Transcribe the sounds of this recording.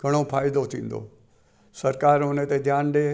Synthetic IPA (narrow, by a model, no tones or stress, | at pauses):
ɡʱɐɽ̃opʰaːɪd̪ot̪ʰĩːnd̪o̰ː | səɾkaːɾɦʊnẽt̪ed̪ʱjaːnɗeː